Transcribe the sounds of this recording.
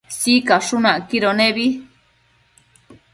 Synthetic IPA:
sikaʂunãʔkiɾoneβi

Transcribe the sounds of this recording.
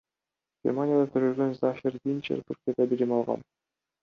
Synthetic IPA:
ɡ̥ʲḛrmanʲɪjad̪at̪ʰyɾølɡønzaxirvint͡ʃḛɾt̪ʰuɾkʲijad̪ɑbilimɑlˠʁɑ̰n

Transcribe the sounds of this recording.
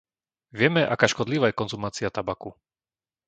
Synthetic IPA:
ʋɪɛmɛʔa̰kaːʃkɔd̪liʋaːjɛkɔnzumaːt͡siat̪abaku

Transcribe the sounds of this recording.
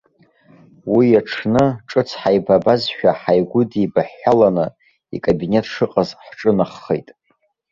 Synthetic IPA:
wijaʈ͡ʂʰnɨʈ͡ʂʼɨt͡sʰħajbabazʃᶣaħajɡʷʊdibaħalanɨ | ḭkʼabine̞tʰʂɨqʼazħʈ͡ʂʼɨnɨχːejtʼ

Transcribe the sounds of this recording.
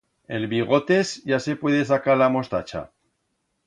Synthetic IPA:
e̞lβiɣ̞o̞t̪e̞zʝase̞pwe̞ð̞esakaɾlamo̞st̪at͡ʃa̰

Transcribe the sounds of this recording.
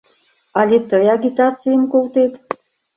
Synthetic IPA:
ɑlʲet̪əjaɡʲit̪ɑt͡sɨjəmkolt̪et̪

